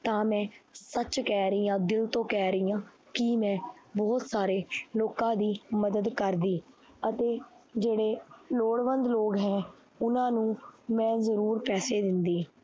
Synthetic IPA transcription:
t̪ãːmɛ̃ːsət͡ʃkɛːɾəiːãːd̪ɪlt̪õːkɛːɾəiːãː | kɪmɛ̃ːbɔːt̪saːɾeːloːkãːd̪iːməd̪əd̪kəɾd̪iː | ət̪eːd͡ʒeːɽeːloːɽʋənd̪loːɡɦɛ̃ː | ʊnãːnũːmɛ̃ːzəɾuːɾpɛːseːd̪ɪnd̪iː

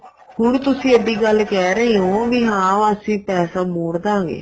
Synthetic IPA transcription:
hʊɳt̪ʊsĩːeːd̪iːɡəlːkɛːɾəeɦõːʋiːɦãːʋəsĩːpɛːsaːmoːɽd̪ãːŋɡḛː

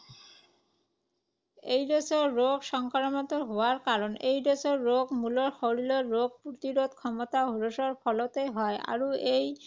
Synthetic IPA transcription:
ejɾosoɾːoɡʃɔŋkaɾomɔt̪oɦoaɾkaɾonejɾot͡ɕoɾːoɡmuloɾxoɾiloːoɡ̚pɾot̪iɾod̪̚kʰɔmot̪aɦoɾoʃoɾfɔlot̪ejɦɔeʔa̰ɾuej

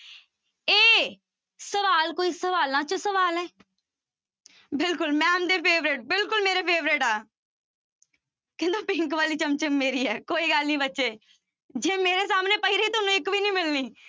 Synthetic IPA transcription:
eː | səʋaːlkoːiːsəʋaːlãːt͡ʃəsəʋaːlɛː | bɪlkʊlmɛ̃ːmd̪eːpʰeːʋɾɪʈ̚bɪlkʊlmeːɾeːpʰeːʋɾɪʈaː | kɪ̃nd̪õːpɪ̃ŋkʋaːliːt͡ʃəmt͡ʃəmːeːɾiːɛːkoːiːɡəlnĩːbətːʃeː | d͡ʒẽːmeːɾeːs̬aːmneːpəiːɾeiːt̪ʊnũːɪkʋiːnĩːmɪlniː

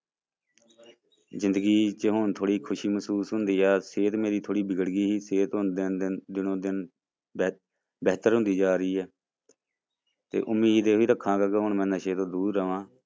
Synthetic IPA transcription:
zɪ̃nd̪əɡiːt͡ʃəɦʊnt̪ʰoːɽiːkʰʊʃiːməsuːsɦʊ̃nd̪iːaːseːt̪meːɾiːt̪ʰoːɽiːbɪɡəɽɡiːɦiːseːt̪ɦʊnd̪ɪnd̪ɪnõːd̪ɪn | bɛːt̪əɾɦʊ̃nd̪iːd͡ʒaːɾiːɛː | t̪ḛːʔʊmːiːd̪eːoiːɾəkʰːãːkaːkeɦʊɳmɛ̃ːnãːʃeːt̪õːd̪uːd̪ɾəʋãː

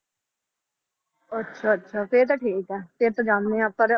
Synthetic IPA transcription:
ətːʃʰaːətːʃʰaːpeːɾt̪aʈʰiːkɛːpeːɾp̪əd͡ʒaːmnẽːapːəɾ

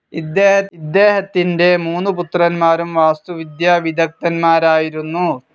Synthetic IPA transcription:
id̪ːeːɦɐid̪ːeːɦɐt̪ːinde̞muːnuput̪rɐnmaːɾumʋaːst̪uʋid̪jɐʋid̪ʱɐk̚t̪ɐnmaːɾaːjiɾunːu

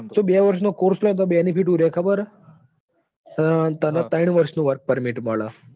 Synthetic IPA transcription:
t͡ʃobeʋəɾʃnokoɾslɔ̃t̪õbenipʰiʈũɾekʰəbəɾ | t̪ənat̪əjɳ̃ʋəɾʃnũʋəɾk̚pəɾmiʈməɭa

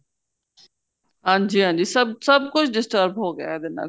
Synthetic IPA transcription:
ɦãːd͡ʒiːɦãːnd͡ʒiːsɐbsɐb̚kʊt͡ʃʰɖɪsʈəɾbɦoːɡɐjaːɛd̪ɪna̰ː

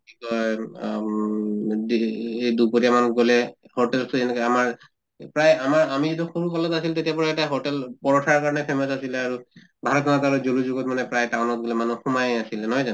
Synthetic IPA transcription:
ikɔ | dejdupotiamanɡolɛ | hoɹtɛlstuɛnɛkɔamaɹ | pɹajamaɹamiet̬uxuɹukɔlɔtasiltetijapɔɹaɛtaɦoɹtɛlpɔɹɔtʰaɹkaɹɔnɛpʰemɔsasilɛaɹu | bʱalɔtʰɔnataɹɔzoluzuɡɔt̚manɛpɹajtaʊnɔt̚ɡolɛmanuxumajasilɛnɔɦɔjzan

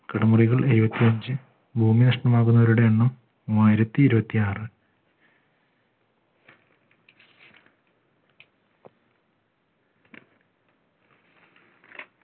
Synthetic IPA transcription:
kɐɽɐmuriɣɐɭeɾubɐt̪ːiɐɲd͡ʑɨ | bʱuːminɐʂʈɐmaːɣunːɐʋɐɾuɽe̞ɳːɐm | aːjiɾɐt̪ːiːɾubɐt̪ːiaːrɨ

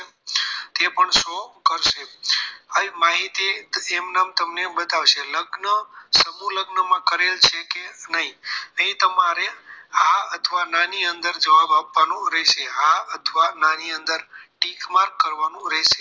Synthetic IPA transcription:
t̪epəɳʃokəɾʃeəmaɦit̪iːmnamt̪əmnebət̪aʋʃʰeləɡnəsəbuləɡnəmãkəɾelt͡ʃʰekenəɦĩəɦĩt̪əmaɾeaət̪ʰʋanãniənd̪əɾd͡ʒəʋabapːanũɾɛʃeaət̪ʰʋananiə̃nd̪əɾʈikmaɾkkːəɾʋanũɾɛʃe

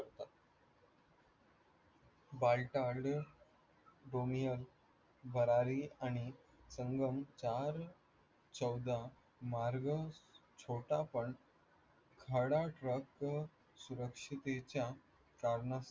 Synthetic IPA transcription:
kəɾt̪at̪ | balʈaɾɖ | ɖomijəl | bʱəɾaɾiaɽ̃i | səŋɡəmt͡ɕaɾ | t͡ɕəwd̪a | maɾɡət͡ɕʰoʈapəɳ | kʰəɽaʈɾək | suɾəkʂit̪et͡ɕja | kaɾɳa

